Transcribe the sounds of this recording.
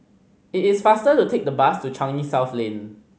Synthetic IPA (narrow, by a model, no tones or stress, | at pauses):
itɪsfastətutʰek̚dəbastut͡ʃʰãŋnisaʊθlẽn